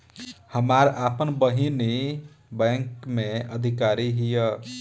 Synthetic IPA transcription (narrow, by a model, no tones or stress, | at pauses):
həmaɾapənbəɦini | bɛ̃ŋkmeəd̪ʱikaɾiɦijə